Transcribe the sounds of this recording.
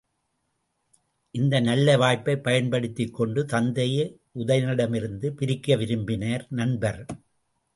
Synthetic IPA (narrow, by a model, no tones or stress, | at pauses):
ʔɪnd̪ɐnɐlːɐʋaːjpːɐɪpːɐjɐnpɐɽɪt̪ːɪkːɔɳɖɯt̪ɐnd̪ɐje | ʔʊðɐjɐnɪɽɐmɪɾɯnd̪ɯpɪɾɪkːɐʋɪɾɯmbɪnɐːɾnɐɳbɐɾ